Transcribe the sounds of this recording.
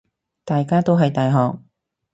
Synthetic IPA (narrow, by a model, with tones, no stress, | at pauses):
t̪aː˨jkaː˥t̪o˥wɦɐ˨jt̪aː˨jɦɔː˨˩k̚